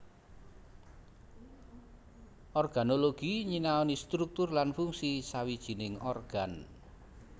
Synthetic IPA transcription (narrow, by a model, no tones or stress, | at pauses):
ʔɔrɡ̥a̤noloɡ̥iɲinaɔnist̪ɾuk̚t̪ʊrlanfuŋsisawid̥ʒ̥i̤nɪŋɔrɡ̥an